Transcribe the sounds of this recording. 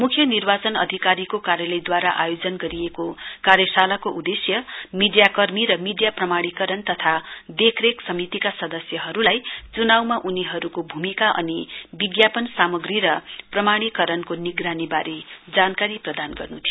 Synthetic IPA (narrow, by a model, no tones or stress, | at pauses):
mukʰjʌnirbat͡sʌnʌ̰d̪ʱikaɾikokaɾjʌlʌjd̪waɾaʔajod͡zʌnɡʌɾiekokaɾjʌsalakoʔud̪esjʌmiɖijakʌrmiɾʌmiɖijaprʌmaɽ̃ikʌɾʌnt̪ʌt̪ʰab̪ekʰreksʌmit̪ikasʌd̪ʌsjʌɦʌɾulajt͡sunawmaʔuniɦʌɾukobʱumikaʔʌ̰nibiɡjapʌnsamʌɡriɾʌprʌmaɽ̃ikʌɾʌnkoniɡranibaɾed͡zankaɾiprʌd̪anɡʌ̰rnut̪ʰijo